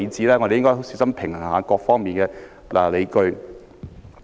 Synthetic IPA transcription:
t͡siː˨˥lɛː˥ŋɔ˧de˨jɪ˥ŋkɔ˥ɦo˨˥wst͡si˨˥sɐ˥mpʰɪ˨˩ŋhŋaː˨˥kɔː˧k̚fɔː˥ŋmiː˨nkɛː˧ | la̰ː˨˩le˨˧jkɵ˧ɥ

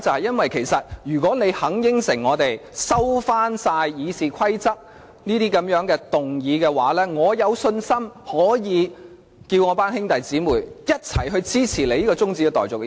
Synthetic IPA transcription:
t͡sɐ˨whɐ˨jɐ˥nwɐ˨jkʰe˨˩jsɐ˨t̚jyː˨˩kɔː˨˥ne˨˧jhɐ˨˥ŋjɪ˥ŋsɪ˨˩ŋːɔː˨˧t̪e˨jsɐ˥wfaː˥nsaː˧jːiː˨˧siː˨kʷʰɐ˥jt͡sɐ˥k̚ | niː˥t̪iː˥kɐ˨˥mjœː˨˥ŋkɛː˧t̪ʊ˨ŋjiː˨˧kɛː˧waː˨˥lɛː˥ŋɔː˨˧jɐ˨˧wsɵ˧nsɐ˥mhɔː˨˥jiː˨˧ | kiː˧wŋɔ˨˧paː˥nhɪ˥ŋt̪ɐ˨jt͡siː˨˥muː˨˩jjɐ˥t̚t͡sʰɐ̰˨˩jɦɵ˧ɥt͡siː˥t͡sʰiː˨˩le˨jiː˥kɔː˧t͡sʊ˥ŋt͡siː˧kɛ˧t̪ɔː˨jt͡sʊ˨k̚

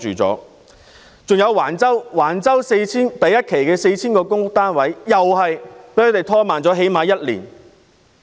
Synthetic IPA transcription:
t͡ʃyː˨t͡sɔ̰ː˨˥ | t͡sʊ˨ŋjɐ˨˧wːaː˨˩nt͡sɐ˥wwaː˨˩nt͡sɐ˥wse˧jt͡sʰiː˥nt̪ɐ˨jːɐ˥t̚kʰe˨˩jkɛː˧se˧jt͡sʰiː˥nkɔː˧kʊ˥ŋ˥k̚t̪aː˥nwɐ˨˥jːɐ˨whɐ˨jpe˨˥kʰɵ˨˥t̪e˨˩jt̪ʰɔː˥maː˨nt͡sɔː˨˥ɦe˨˥jmaː˨˧˥jɐ˥t̚lḭː˨˩n

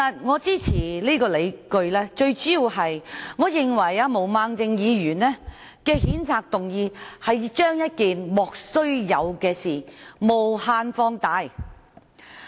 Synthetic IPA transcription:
ɐ˨t̚ŋɔː˨˧t͡siː˥t͡sʰiː˨˩liː˥kɔː˧le˨˧jkɵ˧ɥlɛː˥t͡ʃɵ˧ɥt͡syː˨˥jiː˨˧whɐ˨jŋɔː˨˧jɪ˨ŋwɐ˨˩jaː˧mo˨˩wmaː˧ŋt͡sɪ˧ŋjiː˨˧jyː˨˩nlɛː˥ | kɛː˧hiː˨˥nt͡sʰaː˧k̚t̪ʊ˨ŋjiː˧hɐ˨jt͡ʃœː˥ŋjɐ˥t̚kiː˨nmɔː˨k̚sɵ˥ɥjɐ̰˨˧wkɛː˧siː˨˩mo˨whaː˧nfɔː˧ŋt̪aː˧˥j

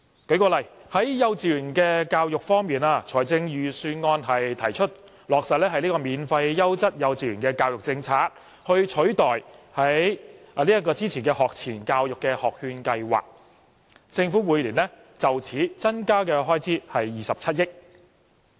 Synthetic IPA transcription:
ke˨˥kɔː˧lɐ˨˩jhɐ˨˥jjɐ˧wt͡siː˨˩jyː˨˩nkɛː˧kaː˧wjʊ˨k̚fɔː˥ŋmiː˨naː˧t͡ʃʰɔː˨˩jt͡sɪ˧ŋjyː˨˩syː˧nŋɔː˧nɦɐ˨jt̪ʰɐ˨˩jt͡ʃʰɵ˥t̚ | lɔː˨k̚sɐ˨t̚lɛː˥hɐ˨jliː˥kɔ˧miː˨nfɐ˧jːɐ˥wt͡sɐ˥t̚jɐ˨˧wt͡siː˨ɥyː˨˩kɛː˧kaː˧wjʊ˨k̚t͡sɪ˧ŋt͡sʰaː˨˩k̚ | hɵ˧ɥt͡ʃʰɵ˨˥ɥt̪ɔː˨jhɐ˨˥j | liː˥jɐ˥t̚kɔː˧t͡siː˥t͡sʰiː˨˩nkɛ˧hɔː˨k̚t͡sʰiː˨˩nkaː˧wjʊ˨kːɛ˧hɔː˨k̚hyː˧nkɐ˧jwa̰ː˨˩k̚ | t͡sɪ˧ŋfu˨˥muː˨˧jliː˨˩nɛ˥ | t͡sɐ˨wt͡sʰiː˨˥t͡sɐ˥nkaː˥kɛː˧ɦɔː˥jt͡siː˥hɐ˨jːiː˨sɐ˨p̚t͡sʰɐ˥t̚jɪ˥k̚

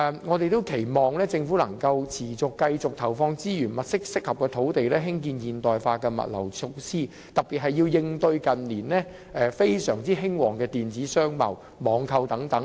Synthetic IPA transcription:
ŋɔː˨˧t̪e˨jt̪o˥wkʰe˨˩jmɔː˨˩ŋlɛː˥t͡sɪ˧ŋfuː˨˥lɐ˨˩ŋkɐ˧wt͡sʰiː˨˩t͡sʊ˨kːɐ˧jt͡sʊ˨k̚t̪ʰɐ˨˩wfɔː˧ŋt͡siː˥jyː˨˩nmɐ˨t̚sɪ˥k̚sɪ˥k̚hɐ˨p̚kɛː˧t̪ʰo˨˥wt̪e˨jlɛː˥ɦɪ˥ŋk̬iː˧njiː˨˩nt̪ɔː˨jfaː˧kɛː˧mɐ̰˨t̚lɐ̰˨˩wt͡sʰo˧wsiː˥ | t̪ɐ˨˩k̚piː˨t̚hɐ˨jːiː˧wjɪ˧ŋt̪ɵ˧ɥkɐ˨nliː˨˩nlɛː˥ | ʔɛː˨fe˥jsœː˨˩ŋt͡siː˥ɦɪ˥ŋwɔː˨˩ŋkɛː˧t̪iː˨nt͡siː˨˥sœː˥ŋmɐ̰˨˩w | mɔː˨˧ŋkʰɐ˧wt̪ɐ˨˥ŋt̪ɐ˨˥ŋ

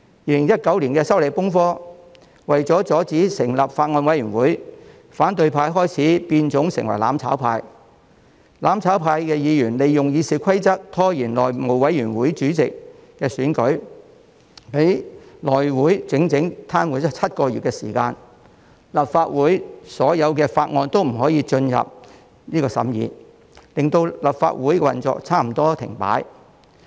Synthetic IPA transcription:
jiː˧lɪ˨˩ŋjɐ˥t̚kɐ˨˥wliː˨˩nkɛː˧sɐ˥wle˨˧jpʊ˥ŋfɔː˥ | wɐ˨jt͡sɔː˨˥t͡sɔː˨˥t͡siː˨˥sɪ˨˩ŋlɐ˨p̚faː˧t̚ŋɔː˧nwɐ˨˥jɥyː˨˩nwuː˨˥j | faː˨˥nt̪ɵ˧ɥpʰaː˧jɦɔː˥jt͡sʰiː˨˥piː˧nt͡sʊ˨˥ŋsɪ̰˨˩ŋwɐ̰˨˩jla̰ː˨˥mt͡sʰa̰ː˨˥wpʰaː˧j | laː˨˥mt͡sʰaː˨˥wpʰaː˧jkɛː˧jiː˨˧jyː˨˩nle˨jːʊ˨ŋjiː˨˧siː˨˧kʰɐ˥jt͡sɐ˥k̚t̪ʰɔː˥jiː˨˩nlɔː˨˩jmo˨˩wwɐ˨˥jyː˨˩nwuː˨˥jt͡syː˨˥t͡sɪ˨kː | ɛː˧syː˨˥nkɵ˨˥ɥ | pe˨˥jlɔː˨˩jwuː˨˥jt͡sɪ˨˥ŋt͡sɪ˨˥ŋt̪ʰaː˥nwu˨˥t͡sɔ˥t͡sʰɐ˥t̚kɔː˧ɥy̰ː˨t̚kɛ˧siː˨˩kaː˧n | lɐ˨pfaː˧t̚wuː˨˥jsɔː˨˥jɐ˨˧wkɛː˧faː˧t̚ŋɔː˧nt̪o˥wm̩˨˩ɦɔː˨˥jiː˧t͡ʃɵ˧njɐ̰˨p̚ | niː˥kɔː˧sɐ̰˨˥mjḭː˨˧ | lɪ˨ŋt̪o˧wlɐ˨p̚fa̰ː˧t̚wuː˨˥jkɛ˧wɐ˨nt͡sɔ̰ː˧k̚t͡sʰaː˥m̩˨˩t̪ɔː˥t̪ʰɪ̰˨˩ŋpa̰ː˨˥j

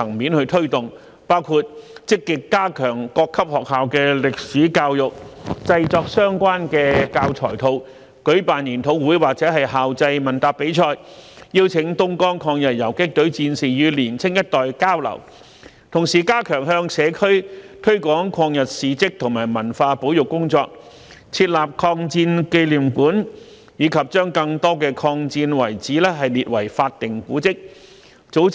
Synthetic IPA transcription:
ɐ˨˩ŋmiː˨˥nhɵ˧t̪ʰɵ˥ɥt̪ʊ˨˩ŋ | paː˥wkʰuː˧t̚t͡sɪ˥kːɪ˨kːaː˥kʰœː˨˩ŋkɔː˧kʰːɐ˥p̚hɔː˨k̚haː˨˧wkɛː˧lɪ˨k̚siː˨˥kaː˧wjʊ˨k̚t͡sɐ˧jt͡sɔː˧k̚sœː˥ŋkʷaː˥nkɛː˧kaː˧wt͡ʃʰɔː˨˩jt̪ʰo˧w | kɵ˨˥ɥpaː˨nliː˨˩nt̪ʰo˨˥wwuː˨˥jwaː˨k̚t͡sɛː˨˥hɐ˨jɦaː˨wt͡sɐ˧jmɐ˨˩nt̪aː˨˩pe˨˥jt͡ʃʰɔː˧jjiː˧wt͡sʰɪ˨˧˥ŋt̪ʊ˥ŋkɔː˥ŋkʰɔː˧ŋjɐ˨t̚jɐ˨˩wkɪ˥k̚t̪ɵ˨˥ɥt͡siː˧nsiː˨˩jyː˨˧liː˨˩nt͡sʰɪ˥ŋjɐ˥t̚t̪ɔː˨˩jkaː˥wlɐ̰˨˩w | t̪ʰʊ˨˩ŋsiː˨˩kaː˥kʰœː˨˩ŋɦœː˧ŋsɛː˨˧kʰɵ˥ɥt̪ʰɵ˥ɥkʷɔː˨˥ŋkʰɔː˧ŋjɐ˨t̚siː˨t͡sɪ˥k̚t̪ʰʊ˨˩ŋmaː˨˩jmɐ˨˩nfaː˧po˨˥wjʊ˨kːʊ˥ŋt͡sɔː˧k̚ | t͡sʰiː˧t̚laː˨p̚kʰɔː˧ŋt͡siː˧nke˧jliː˨˩mkuː˨˥n | jiː˨˧kʰɐ˨p̚t͡ʃœː˥ŋkɐ˧ŋt̪ɔː˥kɛː˧kʰɔː˧ŋt͡siː˧nwɐ˨˩jt͡siː˨˥lɛː˥ɦɐ˨jliː˨t̚wɐ˨˩jfaː˧t̚t̪ɪ˨ŋkuː˨˥t͡sɪ˥k̚ | t͡so˨˥w

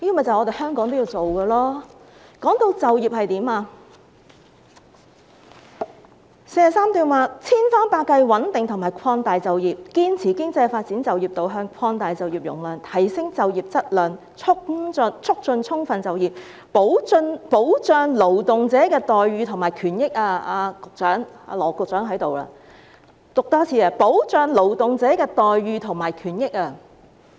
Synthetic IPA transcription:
niː˥mɛ˨˩t͡sɐ˨wɔ˨˧t̪e˨jhœː˥ŋkɔː˨˥ŋt̪o˥ji˧wt͡so˨wkəː˧lɔː˥kɔː˨˥ŋt̪o˧wt͡sɐ˨wji˨p̚hɐ˨jt̪iː˨˥maː˧ | se˧jɐ˨saː˥mt̪yː˨˩nwaː˨˧t͡sʰiː˥nfaː˥npaː˧kɐ˧jwɐ˨˥nt̪ɪ˨ŋt̪ʰʊ˨˩ŋmaː˨˩jkʷʰɔː˧ŋt̪aː˨jt͡sɐ˨wjiː˨p̚kiː˥nt͡sʰiː˨˩kɪ˥ŋt͡sɐ˧jfaː˧t̚t͡siː˨˥nt͡sɐ˨wjiː˨˩p̚t̪o˨˧wɦœː˧ŋkʷʰɔː˧ŋt̪aː˨jt͡sɐ˨wjiː˨p̚jʊ̰˨˩ŋlɐː˨˩nt̪ʰɐ˨˩jsɪ˥ŋt͡sɐ˨wjiː˨p̚t͡sɐ˥t̚lœː˨˩n | t͡sʰʊ˥k̚t͡sɵ˧nt͡sʰʊ˥k̚t͡sɵ˧nt͡sʰʊ˥ŋfɐ˨nt͡sɐ˨wjiː˨p̚ | po˨˥wt͡sɵ˧npo˨˥wt͡ʃœː˧ŋlo˨˩wt̪ʊ˨ŋt͡sɛː˨˥kɛː˧t̪ɔː˨jɥyː˧t̪ʰʊ˨˩ŋmaː˨˩jkʰyː˨˩njɪ˥k̚aː˧aː˧kʊ˨k̚t͡sœː˨˥ŋa̰˧lɔː˨˩kʊ˨k̚t͡sœː˨˥ŋɦɐ˨˥jt̪o˨wa̰ː˧ | t̪ʊ˨k̚t̪ɔː˥t͡sʰiː˨˧aː˧˩po˨˥wt͡ʃœː˨˧ŋlo˨˩wt̪ʊ˨ŋt͡sɛː˨˥kɛː˧t̪ɔː˨jɥyː˧t̪ʰʊ˨˩ŋmaː˨˩jkʰyː˨˩njɪ˥k̚aː˧

